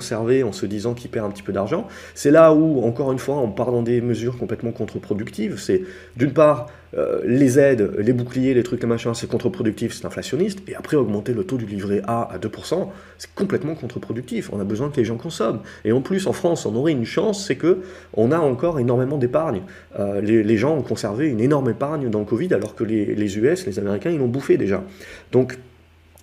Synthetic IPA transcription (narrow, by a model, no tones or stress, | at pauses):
sɛʁveɑ̃səd̪izɑ̃kʰʲipɛʁɛ̃pət̪i̥pød̪aʁʒɑ̃ | sɛlauɑ̃kɔʁynfwaɑ̃paʁd̪ɑ̃d̪eməzyʁkɔ̃plɛt̪mɑ̃kɔ̃t̪χəpχɔd̪ykt̪ivsɛ | d̪ynpaːʁ | ø̰lezɛd̪lebuklijelet̪χyklemaʃɛ̃sɛkɔ̃t̪χəpχɔd̪yk̚t̪ifsɛ̥t̪ɛ̃flasjɔnist̪eapχɛɔɡmɑ̃t̪elət̪od̪ylivʁeʔaa̰d̪øpuʁsɑ̃ | sɛ̥kɔ̃plɛt̪mɑ̃kɔ̃t̪χəpχɔd̪yk̚t̪ifɔ̰̃nabəzwɛ̃kəleʒɑ̃kɔ̃sɔmeɑ̃plysɑ̃fχɑ̃sɔ̃nɔʁɛynʃɑ̃sːɛkə | ɔ̰̃naɑ̃kɔʁenɔʁmemɑ̃d̪epaʁɲ | øleleʒɑ̃ɔ̃kɔ̃sɛʁveynenɔʁmepaʁɲd̪ɑ̃ləkɔvid̪alɔʁkəlelezyɛslezameʁikʲɛ̃ilɔ̃bufed̪eʒa̰d̪ɔ̃k